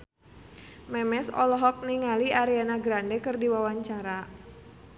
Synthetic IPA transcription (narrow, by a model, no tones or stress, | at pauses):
mɛmɛsɔ̰lɔɦɔk̚niŋaliaɾianaɡɾandɛkɨrdiwawaɲt͡ʃaɾa